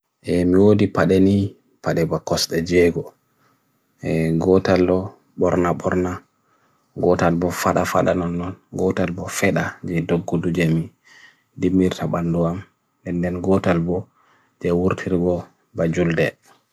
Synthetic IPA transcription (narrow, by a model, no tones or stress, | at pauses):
ʔɛmiwodipaɗɛni | paɗɛbakɔsɗɛd͡ʒɛɡɔ | ɛɡɔtalːɔ | ɓɔɾnabɔɾna | ɡɔtalbɔfaɗafa̰ɗanɔnːɔnɡɔtalbɔfɛɗad͡ʒɛdoɡːudud͡ʒɛmi | dimːiɾtʰabanduam | dɛndɛnɡɔtalbɔ | d͡ʒɛwuɾtʰiɾɡɔ | bad͡ʒuldɛ